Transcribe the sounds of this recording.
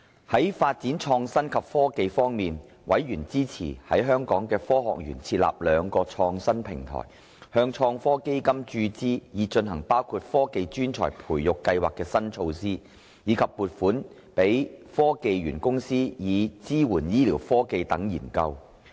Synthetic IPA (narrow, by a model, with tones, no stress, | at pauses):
hɐ˨˥jfaː˧t̚t͡si˨˥nt͡ʃʰɔː˧ŋsɐ˥nkʰɐ˨p̚fɔː˥ke˧jfɔː˥ŋmiː˨n | wʔɐ˨˥jɥyː˨˩nt͡siː˥t͡sʰḭː˨˩hɐ̰˨˥jɦœː˥ŋkɔː˨˥ŋkɛː˧fɔː˥ɦɔ̰ː˨k̚jy̰ː˨˩nt͡sʰiː˧t̚la̰ː˨p̚lœː˨˧ŋkɔː˧t͡ʃʰɔː˧ŋsɐ˥npʰɪ˨˩ŋt̪ʰɔ̰ː˨˩j | hœː˧ŋt͡ʃʰɔː˧ŋfɔː˥ke˥jkɐ˥mt͡ʃyː˧t͡siː˥jiː˨˧t͡ʃɵ˧nɦɐ˨˩ŋpaː˥wkʰuː˧t̚fɔː˥ke˧jt͡ʃyː˥nt͡sʰɔ̰ː˨˩jpʰuː˨˩jjʊ˨kːɐ˧jwaː˨kːɛː˧sɐ˥nt͡ʃʰo˧wsiː˥ | jiː˨˧kʰɐ˨p̚muː˨t̚fuː˨˥n | pe˨˥jfɔː˥ke˧jɥyː˨˩nkʊ˥ŋsiː˥jiː˨˧t͡siː˥wuː˨˩njiː˥liː˨˩wfɔː˥ke˧jt̪ɐ˨˥ŋjḭː˨˩nkɐ˧w